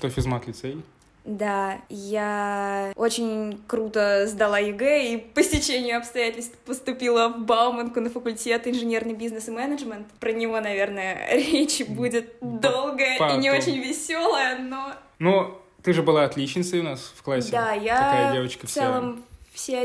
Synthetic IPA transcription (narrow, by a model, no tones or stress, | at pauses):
ʂt̪ofʲɪzmat̪lʲɪt̪sej | d̪aja | o̞t͡ɕɪnʲkɾut̪əzd̪ɐlˠaɪɡɛipəsʲtʲɪt͡ɕenʲɪjʊɐpst̪ɐjætʲɪlʲst̪pəst̪ʊpʲilˠəvbalˠmənkʊnəfəkʊlʲtʲe̞t̪ɪnʐɨnʲe̞rnɨjbʲiznɨsɨmɛnəʐmʲənt̪pɾənʲɪvo̞nɐvʲe̞rnəjə̰ɾʲet͡ɕbudʲɪt̪̚d̪o̞lˠɡəjəinʲɪoot͡ɕɪnʲvʲɪsʲo̞lˠəjəno | not̪ɨʐɨbɨlˠaɐt̪lʲit͡ɕnʲɪt̪səjʊnasfklˠasʲːd̪ajaajadʲevət͡ɕkəftsʲɛlˠəmfsʲe